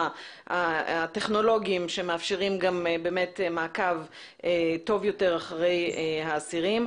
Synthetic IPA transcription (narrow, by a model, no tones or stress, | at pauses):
aateχno̞lo̞ɡiimʃemeafʃeʁimɡambeːmetmaːkav | eto̞vjo̞teʁaχʁe̞jehaːsiʁim